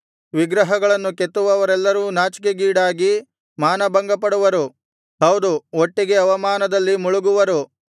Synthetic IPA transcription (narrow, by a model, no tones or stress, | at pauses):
ʋiɡɾɐɦɐɡɐɭɐnːuket̪ːuʋɐʋɐɾɛlːɐɾuːnaːt͡ʃi̥k̬eɡiːɽaːɡi | maːnɐbɐŋɡɐpɐɽuʋɐɾu | ɦɐwd̪uoʈːiɡe̞ɐʋɐmaːnɐd̪ɐlːimuɭuɡuʋɐɾu